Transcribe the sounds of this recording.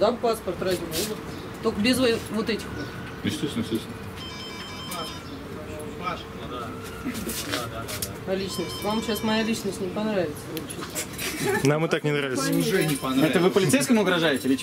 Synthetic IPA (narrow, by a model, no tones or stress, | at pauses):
d̪apaspərt̪razʲɪmudət̪ | t̪okəbʲɪzvɐvot̪ɛtʲɪxvot̪ | sʲt̪ʲesnəsʲosʲn | aʂ | a | ad̪a | ɐlʲit͡ɕnəsʲtʲvamɕasmɐjalʲit͡ɕnəsʲtʲnʲɪpɐnɾavʲɪt̪səvobt͡ɕɪ | namɨt̪aknʲɪnɾavʲɪt̪ssʲpɐɛt̪əvɨpəlʲɪejskəmʊʊɡɾɐʐajɪtʲɪlʲɪ